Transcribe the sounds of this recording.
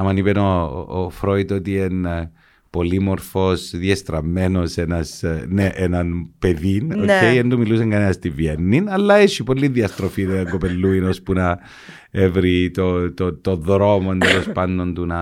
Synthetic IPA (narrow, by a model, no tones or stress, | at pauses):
ɐmɐnipeno̰fɾoit̪ot̪ien | po̞limo̞ɾfo̞sðiest̪ɾɐmːe̞no̞senɐsneʔenɐnpe̞ðinocejend̪umiluseŋɡɐnenɐst̪ivjenːinɐlːɐeʃipolːiðiɐst̪ɾo̞fineɐŋɡope̞lːuino̞spunɐ | evɾit̪ot̪ot̪oðɾo̞moend̪elo̞spɐnːo̞nd̪unɐ